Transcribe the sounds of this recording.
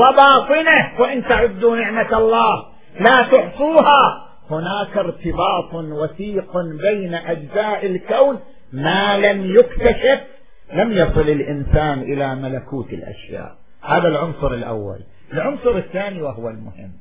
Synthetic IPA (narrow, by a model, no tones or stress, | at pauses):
wɑbɑːt̪ˤɨnahwɪʔɪnt̪aʕʊd̪ːunɪʕmaɑlˤːɑːh | laːt̪ʊħsˤuːha | hʊnaːkɪɾt̪ɪbɑːt̪ˤwaθiːqbejnaʔad͡ʒzaːʔɪlkawn | malamjʊkt̪aʃɪf | lamjɑsˤɨlɪlʔɪnsaːnʔɪlamalakuːt̪ɪ̰lʔa̰ʃja̰ːʔ | haːðalʕʊnsˤʊɾɪlʔa̰wːa̰l | ɪlʕʊnsˤʊɾɪθːaːniwahʊwalmʊhɪ̰mː